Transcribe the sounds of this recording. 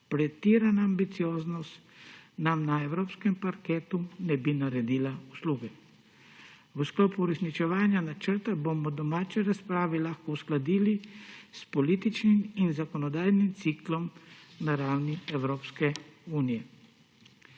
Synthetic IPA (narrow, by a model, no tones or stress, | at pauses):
pɾɛt̪iːɾanaːmbit̪sijoːznɔst̪namnaɛwɾoːpskɛmpaɾkeːt̪unɛbinaɾɛd̪iːlausluːɡɛ | wəsklopuuɾɛsnit͡ʃɛʋaːnjanat͡ʃəɾt̪abomɔd̪ɔmaːt͡ʃɛɾaspɾaːʋɛlaxkɔusklad̪iːlispɔliːt̪it͡ʃniminzakɔnɔd̪aːjnimt̪siːklɔmnaɾawniɛwɾoːpskɛuːnijɛ